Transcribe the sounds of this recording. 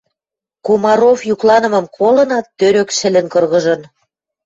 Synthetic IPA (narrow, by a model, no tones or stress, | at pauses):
komɑɾofjuklɑnə̆mɤ̆mkʰolɤ̆nɑt̪ːøɾøkʃɘ̆lɘ̆nkɤrɣɤ̆ʒɤ̆n